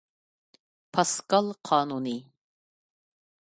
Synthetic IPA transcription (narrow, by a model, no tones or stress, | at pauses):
pʰɑskɑlˠqʰɑːnunɨ